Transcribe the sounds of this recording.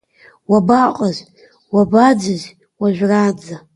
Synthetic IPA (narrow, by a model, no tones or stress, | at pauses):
wabaqʼaz | wabad͡zɨz | waʒᶣʷrad͡za